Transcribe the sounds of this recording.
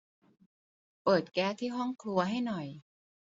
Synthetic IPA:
pɤː˨˩t̪̚kɛː˦˥t̪ʰiː˥˩ɦɔ˥˩ŋkʰlu˧ɐɦa˥˩jnɔ˨˩j

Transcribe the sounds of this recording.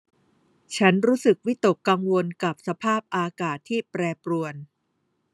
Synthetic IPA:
t͡ɕʰa˦˥nɾuː˦˥sɯ˨˩k̚wi˦˥t̪o˨˩kːa˧ŋwo˧nka˨˩p̚sa˧pʰaː˥˩p̚ʔaː˧kaː˨˩t̪ʰːiː˥˩pɾɛː˧pɾu˧ən

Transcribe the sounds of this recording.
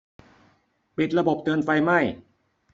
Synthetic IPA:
pi˨˩t̪̚ɾa˧bo˨˩p̚t̪ɤː˧nfa˧jma˥˩j

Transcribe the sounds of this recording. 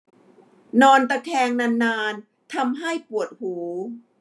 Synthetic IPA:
nɔː˧nt̪a˧k̪ʰɛː˧ŋna˧nːaː˧n | t̪ʰa˧mɦa˥˩jpu˨˩ət̪̚huː˩˦

